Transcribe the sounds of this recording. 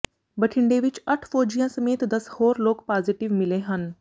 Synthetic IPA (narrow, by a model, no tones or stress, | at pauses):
bɐʈʰɪɳɖeʋɪt͡ʃɐʈʰpoːd͡ʒijãsɐmeːt̪d̪ɐshoːɾloːkpaːziʈɪʋmɪleɦən